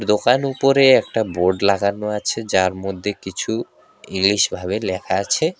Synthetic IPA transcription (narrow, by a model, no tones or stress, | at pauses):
ɾd̪okanupoɾeɛk̚ʈaboɾɖlaɡanːoat͡ɕʰed͡ʑaɾmod̪ʱːekit͡ɕʰu | iŋliʃbʱaβelɛkʰaat͡ɕʰe